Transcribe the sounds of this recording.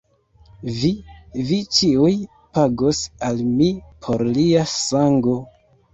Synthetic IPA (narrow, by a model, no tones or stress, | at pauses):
vivit͡ʃiuj | paɡosalmipʰo̞ɾliasaŋɡo̞